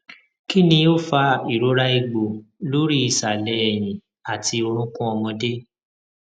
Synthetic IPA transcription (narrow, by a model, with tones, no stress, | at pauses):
ki˦nĩ˧o˦fa˧i˨ɾo˨˦ɾa˦i˧ɡ͡bo˨lo˦ɾi˦i˨sa˨lɛ˨˦ɛ˨j̃ĩ˨ | a˨tʰi˧o˧ɾ̃ũ˦kũ˦ɔ˧mɔ̃˧de˦